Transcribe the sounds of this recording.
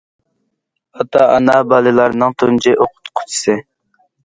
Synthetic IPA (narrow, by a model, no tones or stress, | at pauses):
ɑt̪ɑɑ̰nɑbɑlˠɨlˠɑɾnɨŋt̪ʰunt͡ʃɪʔoqʰʊ̥t̪qʰʊ̥t͡ʃʰi̥sɨ